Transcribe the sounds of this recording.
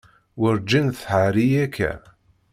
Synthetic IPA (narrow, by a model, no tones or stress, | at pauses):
wʊɾd͡ʒinθħaɾijækːæ̰